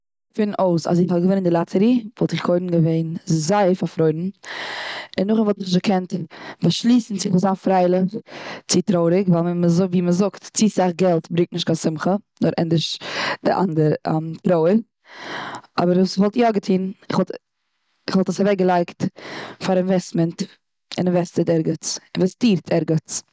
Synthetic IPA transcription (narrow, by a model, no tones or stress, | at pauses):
fɪnnʔoʊsa̰zɪχhɔɡəvɪnɪndɪlˠat͡səɾiːvɔlˠtɪχkʰoɪnn̩ɡəveɪnzaɪfafɾɔɪdn̩ | ɪnːʊχɪnvɔlˠtɪχzəkʰɛntbaʃlˠiːsn̩t͡sɪχvɔzaːnfɾaɪlˠɪχt͡sɪtɾoʊɾɪkvalˠməzʊviːməzʊktt͡sisaχɡɛlˠtbɾɪŋktnɪʃtkasɪmχənʊɾʔɛ̰ndɪʃd̥ɪ̰ʔa̰ndəɾa̰mtɾoʊəɾ | ɔ̰bəɾvuːsvɔlˠtjɔɡətʰiːnɪχvɔlˠt | ɪχvɔlˠtəsavɛk̚ɡəlˠaɪktfaɾɪnvɛstmənt | ɪ̰nɪnvɛstətɛɾɡət͡sɪnvɛstiːɾtʰɛɾɡət͡s